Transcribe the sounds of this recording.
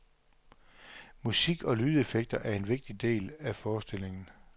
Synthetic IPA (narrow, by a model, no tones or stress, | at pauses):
musiɡ̥ɒ̽lyːð̞ˠefeɡ̥̚d̥ɐʔæɐe̝nʋe̝ɡ̥̚d̥id̥e̝̰ːlæfɒːsd̥e̝le̝ŋn̩